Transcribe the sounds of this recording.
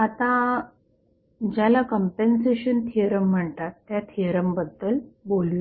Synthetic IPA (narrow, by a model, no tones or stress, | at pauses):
at̪ã | d͡ʑjalakəmpenseɕənt̪ʰiəɾəm̤ːəɳt̪at̪ːjat̪ʰiəɾəmbəd̪ːəlbolʋi